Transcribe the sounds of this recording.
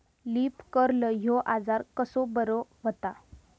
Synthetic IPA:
liːpkəɾləɦoʔad͡zaɾkəsobəɾoʋət̪a

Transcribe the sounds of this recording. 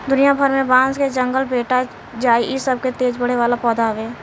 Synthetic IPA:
d̪ʊnijabʱəɾmẽbãːsked͡ʒə̃ŋɡəlbeːʈa | d͡ʒaːiʔɪsəb̚ket̪eːd͡ʒbəɽ̤eʋaːlapɔːd̪aʋeː

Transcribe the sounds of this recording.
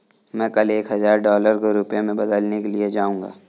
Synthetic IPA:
mɛ̃ːkɐleːkɦɐzaːɾɖɔːləɾkoɾʊpjemẽbɐd̪əlnekelied͡ʒaːũːŋɡa̰ː

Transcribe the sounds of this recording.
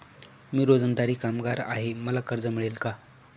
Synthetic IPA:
miːɾod͡zənd̪aɾiːkamɡaɾa̰ɦeməlakəɾd͡zəmiɭelka

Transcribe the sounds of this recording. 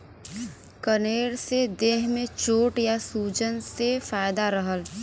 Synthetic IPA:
kəneːɽsed̪eːɦmẽt͡ʃoːʈjasuːd͡ʒənsefaːjd̪aɾəɦəl

